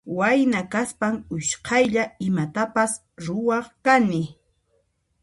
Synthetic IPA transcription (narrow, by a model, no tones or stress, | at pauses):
wajnakaspaŋʊʃqʰɑjʎaɪmat̪apas | ɾʊwɑχkanɪ